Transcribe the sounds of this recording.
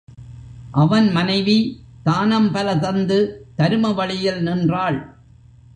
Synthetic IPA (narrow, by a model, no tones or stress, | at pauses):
ʔɐʋɐnmɐnɐɪʋit̪aːnɐmpɐlɐt̪ɐnd̪ɯt̪ɐɾɯmɐʋɐɭɪjɪlnɪndraːɭ